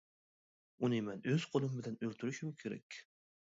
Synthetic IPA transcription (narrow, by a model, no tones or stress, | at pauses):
ʊnɪmanɵz̥qʰolˠɪmbɪlanɵlʲt̪ʰɪɾɪʃɪmkʲʰeɾa̰kʲ